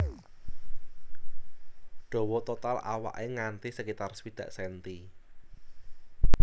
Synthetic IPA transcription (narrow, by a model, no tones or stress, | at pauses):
ɖ̥ɔ̤wɔt̪ot̪alʔa̰wa̰ʔeŋant̪isəkit̪arswid̪̥ä̤ʔsɛnt̪i